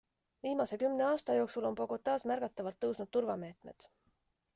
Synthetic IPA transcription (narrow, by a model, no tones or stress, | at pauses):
viːmɑse̞kymneɑːst̪ɑjo̞ːksulo̞npo̞ko̞t̪ːˑɑːsmæɾɡ̥ɑt̪ːˑɑvɑlt̪ːɤwsnudt̪̚ːuɾvɑme̞ːt̪me̞̰d̪̥